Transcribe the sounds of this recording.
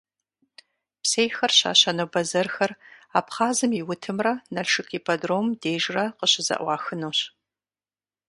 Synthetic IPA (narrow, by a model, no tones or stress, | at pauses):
psejxɐrɕa̰ːɕɐnɐbɐzɐrxɐra̰ːpχaːzɨmiwʊtʰɨmrɐnɐɬʂɨkʰʼipʰɐdroːmdeːʒrɐqəɕɪzɐ̰ʔʷɑːxɨnuːɕ